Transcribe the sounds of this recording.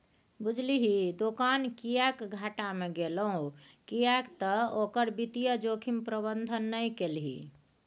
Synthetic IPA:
bud͡ʒʱliɦid̪okankijakɡʱaʈameɡeləɦũ | kijakt̪əokəɾbit̪ijəd͡ʒokʰimpɾəbənd̪ʱənːəjkelɦḭ

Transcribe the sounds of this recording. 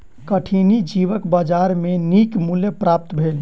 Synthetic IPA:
kəʈʰinid͡ʒiʋəkbad͡ʒaɾmenikmuljepɾap̚t̪bʱel

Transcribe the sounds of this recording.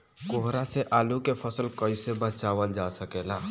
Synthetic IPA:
koɦɾaseʔaːlukepʰəsəlkəɪsebət͡ʃaʋəld͡ʒasəkela

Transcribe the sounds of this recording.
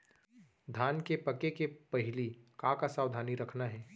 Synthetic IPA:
d̪ʱaːnkepɐkekepɐɦɪlikãːkasaːwd̪ʱaːniɾɐkʰnaɦɛː

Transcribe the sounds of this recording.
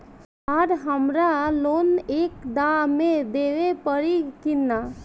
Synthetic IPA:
aːɾɦəmɾaloːneːkd̪amẽd̪eːʋepəɾikɪnːa

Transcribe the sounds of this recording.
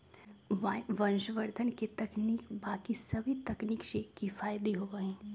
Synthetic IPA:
ʋənʃʋəɾd̪ʱənket̪əkniːkbakisəbʱit̪əkniːksekifʰajd̪iɦoɡəɦɛ̃

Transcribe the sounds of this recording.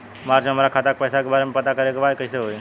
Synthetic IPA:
maɾd͡ʒɦəmaɾakʰaːt̪ak̚pəːsakebaːɾemẽpət̪akəɾekeʋajkəɦiseɦoːe

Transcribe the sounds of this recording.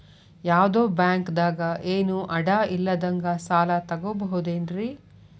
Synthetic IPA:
jaːʋd̪oːbjaːŋkd̪aːɡɐʔeːnuʔɐɽaːilːɐd̪ɐŋɡɐsaːlɐt̪ɐɡoːbɐɦud̪eːnɾi

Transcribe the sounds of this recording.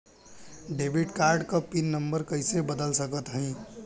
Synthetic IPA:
ɖebʱiʈkaɾɖkəpinːəmbəɾkəɪsebəd̪əlsəkət̪ɦə̃ɪ̃

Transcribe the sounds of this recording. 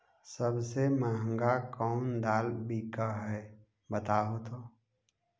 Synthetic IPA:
səbsemaːɦə̃ŋɡakɔːnd̪aːlbʱikəɦɛː | bət̪aːɦot̪ʰoː

